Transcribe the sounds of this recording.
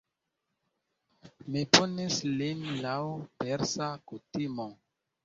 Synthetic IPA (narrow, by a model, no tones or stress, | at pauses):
miponislinlawpeɾsakutimo